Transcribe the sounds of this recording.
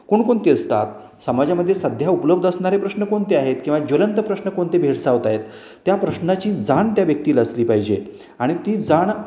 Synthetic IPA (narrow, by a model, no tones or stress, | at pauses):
koɳkoɳt̪eəst̪a̰t̪ | səmad͡ʑaməd̪ʱːjesəd̪ʱjaupləbd̪əsɳaɾepɾəsnəkoɳt̪eaɦet̪kĩw̃ʋad͡ʑolənt̪əpɾəsnəkoɳt̪ebʱeɽsaʋt̪aɦet̪ː | japɾəɕnat͡ɕiːd͡zaɳt̪jaʋjək̚t̪iːləsliːpaɦid͡ʑe | aɽ̃it̪iːd͡zaɳ